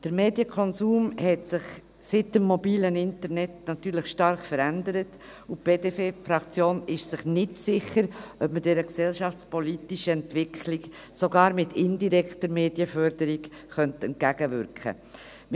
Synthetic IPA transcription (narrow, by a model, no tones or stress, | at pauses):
d̥əɾmeːdjəkʰɔnsuːmhɛtsɪχ | sɪtmːɔbiːlənɪntəɾnɛtnɑtyːɾlɪχʃtɑɾχfəɾændəɾət | ʊb̥eːdefefɾɑkt͡sjoːnɪʃsɪχnɪtsɪχəɾʔœpmədɛɾəksɛlʃɑft͡spɔlitiʃəɛntvɪkʰχlɪk | soɡɑːɾmɪtʰɪndiɾɛkχtəɾmeːdjəfœɾdəɾikχœntɛnt̚kæɡəvʏɾkʰə̰